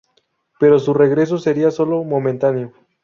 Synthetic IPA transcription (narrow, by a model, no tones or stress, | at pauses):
pe̞ɾo̞sure̞ɣɾe̞s̬o̞se̞ɾiaso̞lo̞mo̞mẽnt̪anjo